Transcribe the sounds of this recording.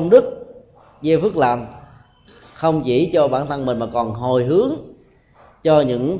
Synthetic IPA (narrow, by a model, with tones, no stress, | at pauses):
wŋ͡mɗɨ˦˥k̚ | zə˧fɨ˦˥k̚la̰ː˨˩m | xə˧wŋ͡mt͡ɕḭ˧˩t͡ɕɔ˧ɓaː˧˩nt̪ʰə˧nmï˨˩n̟maː˨˩kɔ˨˩nɦo˨˩jɦɨ˨˦əŋ | t͡ɕɔ˧ɲɨ̰˧˥ŋ